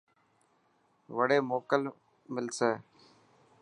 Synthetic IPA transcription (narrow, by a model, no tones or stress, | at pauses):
ʋəɽeːmoːkəl | mɪlseː